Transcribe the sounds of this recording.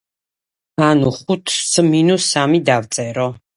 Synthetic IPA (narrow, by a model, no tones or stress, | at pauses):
anuχut̪ʰsminusamid̪avt̪sʼɛɾɔ